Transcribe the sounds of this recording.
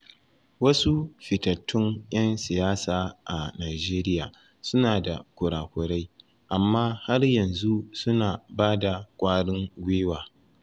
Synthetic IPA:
wɐ˦su˦ɸɪ˨tɐ˨tʰːʊ˦ŋʔj̰ɐ˦nsɪ˨jaː˦saː˨ʔa˨naː˨d͡ʒeː˦ɾɪ˦jaː˨ | sʊ˦naː˨da˨kʷʊ˨ɽaː˨kʷʊ˨ɽa˦j | ʔa˨mːaː˦ha˦rjɐ˨nzu˦sʊ˦naː˨baː˦da˨kʷʼaː˦ɽɪ˦ŋɡʷeː˦waː˨

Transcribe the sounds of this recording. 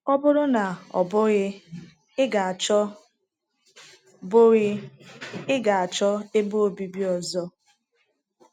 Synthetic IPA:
ɔ˦bʊ˦ɾʊ˦na˨ɔ̰˨bʊ˦ɣɪ˦ | ɪ˦ɡa˨a˨t͡ʃɔ˦ | bʊ˦ɣɪ˦ | ɪ˦ɡa˨a˨t͡ʃɔ˦e˦bo˦o˨bi˦bi˦ɔ˨zɔ˦

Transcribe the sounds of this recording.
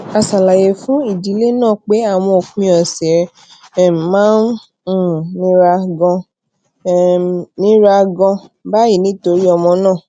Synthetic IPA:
a˨sa˨la˨je˨fũ˦i˦˨di˨˦le˦nãː˦˨k͡pe˨˦a˦˨w̃ɔ̃˧o˨kũ˦˧˦ɔ˨sɛ˨˦˨ | mãː˨˦n˨ | nĩ˦ɾa˧ɡɔ̃˧ | nĩ˦ɾa˧ɡɔ̃˧ba˦ji˦˨nĩ˨˦to˧ɾi˦ɔ˧mɔ̃˧nãː˦˨

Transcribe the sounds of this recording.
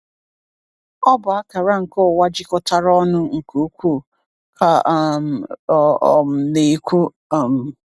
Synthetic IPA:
ɔ˦bʊ˨a˦ka˨ɾa˦ŋ̩˨kɔ˦˨wa˦d͡ʒɪ˦kɔ˦ta˦ɾɔ˦nʊ˦ŋ̩˨ku˨˦kʷu˦˨ | kʰa˨˦˨ | ne˨i˦kʷu˦˨ | m̩˨

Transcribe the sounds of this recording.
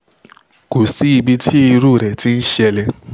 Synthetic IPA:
ko˨si˨˦i˧bi˧tʰi˦i˧ɾu˦˨ɾɛ˨ti˦n̩˦ʃɛ˧lɛ˧

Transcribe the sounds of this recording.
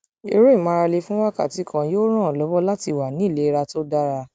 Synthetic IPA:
e˧ɾe˦˨mã˧ɾa˧le˧fũ˦wa˦ka̰˦˨ti˨˦kʰã˧joː˦ɾ̃ã˦˨lɔ˨˦bɔ˦la˦ti˧˨wa˨nĩ˨˦˨le˨˦i˦˧ɾa˧to˦da˦ɾa˧

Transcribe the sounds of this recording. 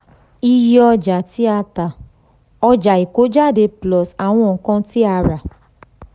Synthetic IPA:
i˧ji˦ɔ˧d͡ʒa˨ti˦a˧ta˨ | ɔ˧d͡ʒa˨i˨ko˨˦d͡ʒa˦˨de˧plɔ˨sa˨w̃ɔ̃˧˨˦kɔ̃˦˧˦ti˦a˧ɾa˨

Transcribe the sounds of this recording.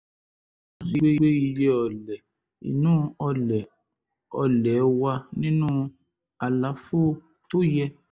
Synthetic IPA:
ã˦si˧ɾe˦e˦i˧jɛ˦ɔ˨lɛ˨ | ḭ˨nũː˦ɔ˧lɛ˨ | ɔ˧lɛ˨˦wa˧nĩ˦nũ˦ | a˨la˨˦fo˦ | to˦jɛ˧

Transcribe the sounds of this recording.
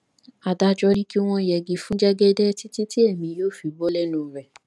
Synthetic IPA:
a˨da˧d͡ʒɔ˧nĩ˦ki˦w̃ɔ̃˧˨jɛ˨ɡi˧fũ˦d͡ʒɛ˦ɡɛ˦dɛ˦ti˦ti˦ti˦ɛ˦˨mĩ˨˧joː˦˨fi˨bɔ˦lɛ˦nũ˦˨ɾɛ˨

